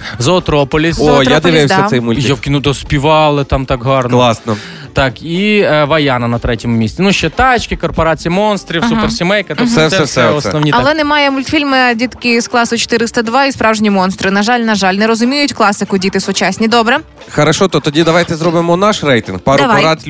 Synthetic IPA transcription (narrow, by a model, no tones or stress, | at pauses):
zɐɔt̪ɾɔpɔlʲisojad̪ɪʋɪw̪sɐsɛjmʊlʲtjawkʲinud̪ɔspʲiʋɑlˠɪt̪ɑmt̪ɑkɦɑrnlˠɑsnɔ | t̪ɑkiʋɐjɑnɐnɐt̪ɾɛtʲɛmʊmʲisʲt͡sʲɪnuʃːɛt̪ɑt͡ʃkʲɪkɔrpɔɾɑt͡sʲijɐmɔnst̪ɾʲiwsupɛrsʲimɛjkɐt̪ɔɛsɛɛsɛɔsnɔwʲitɐlˠɛnɛmɑjɛmʊlʲt̪fʲilʲmɪdʲit̪kɪsklˠɑsʊt͡ʃɔ̥t̪ɪɾɪst̪ɐd̪ʋɑispɾɑwʒenʲimɔnst̪ɾɪnɐʒɑlʲnɐʒɑlʲnɛɾɔzʊmʲijʊtʲklˠɑsɪkʊdʲit̪ɪsʊt͡ʃasʲnʲid̪ɔbɾɛ | xɐɾɐʃɔt̪ɔt̪ɔdʲid̪ɐʋajt̪ɛzɾɔbɪmɔnɑʃrɛjt̪ɪnɡpɑɾʊɐpɐɾat̪ʲ